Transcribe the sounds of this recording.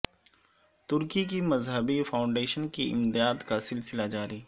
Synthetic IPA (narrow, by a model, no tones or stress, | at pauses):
t̪ʊɾkikimɐzɦəbifaːʊ̃ɳɖeːʃənkiɪ̰md̪ijaːt̪kasɪlsɪlad͡ʒaːɾiː